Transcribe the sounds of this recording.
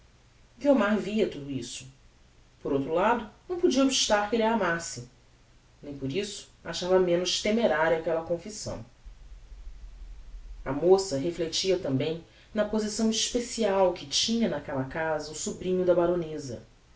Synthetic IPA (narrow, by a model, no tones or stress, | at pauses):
ɡiomaɾviɐt̪ud̪uisʊ̥ | poɾowt̪ɾʊlad̪ʊnɐ̃w̃pud͡ʒiɐobiʃt̪aɾkelamasɪ | nẽj̃poɾisʊ̥aʃavɐmẽnʊʃt̪emeɾaɾɐkɛlɐkõfisɐ̰̃w̃ | ɐmosɐɦeflet͡ʃiɐt̪ɐ̃mbẽj̃ | nɐpozisɐ̃w̃iʃpesiawkɪt͡ʃĩɲɐnɐkɛlɐkazɐusubɾĩɲʊd̪ɐbaɾõnezɐ̰